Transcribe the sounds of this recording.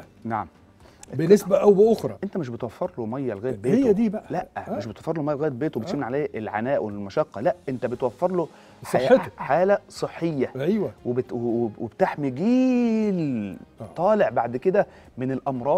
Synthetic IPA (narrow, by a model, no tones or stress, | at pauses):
naʕam | benesbæʔæwbeʔoxɾˤɑʔent̪æmeʃbet̪wæfːɑɾˤlomæjːælɣæːd̪̚beːejːæd̪iːbæʔælæʔæmeʃ̬bet̪wæfːeɾlomæjːælɣæjæbeːt̪webet̪emniʕalæːʔelʕanæːʔwelmɑʃɑqːɑlæʔʔent̪æbet̪wæfːɑɾˤlo | sˤet̪ħaːlæsˤɨħːejːæʔæjwæwebwwwebt̪aħmiɡiːlt̪ˤːɑːleʕbaʕd̪ked̪æ | menelʔɑmɾˤɑː